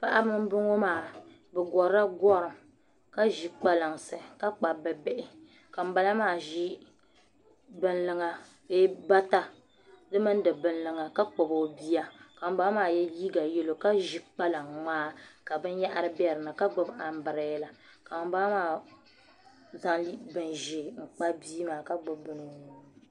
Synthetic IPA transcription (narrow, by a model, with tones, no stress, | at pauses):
pa˦ʔa˦bɨ˦m˦bɨ˦ŋo˦maː˨ | bɛ˨ɡɔ˨ɾa˦ɡɔ˦ɾɨ˨m | ka˦ʒi˨k͡pa˦la˨ŋsɨ˨ka˦k͡pa˨bɨ˨bɛ˦ʔɪ˨ | ka˨m̩˦ba˦la˦maː˦˨ʒi˦ | bɨ˨nlɨ˨ŋa˨ | be˦ba˦ta˦ | dɨ˦mɨ˦n˦dɨ˨bɨ˨n̩lɨ˨ŋa˨ka˦k͡pɔ˨bo˨bi˦ja˦ka˨m̩˦baː˦maː˦˨jɛ˦liː˦ɡa˨jɛ˦lo˨ka˦ʒi˨k͡pa˦la˨ŋmaː˦ka˨bɨ˦n˦ja˦ʔa˦ɾɨ˦bɛ˦˨ɾɨ˨nɨ˨ka˦ɡ͡bʊ˦ba˨m̩˦bɨ˨ɾɛ˨˦la˨ka˨baː˦maː˦˨ | za˦ŋi˦bɨ˨nʒiː˨ŋ͡m̩˨k͡pa˦biː˦maː˨ka˦ɡ͡bʊ˦bːɨ˦nɨ˨ni˨˦˨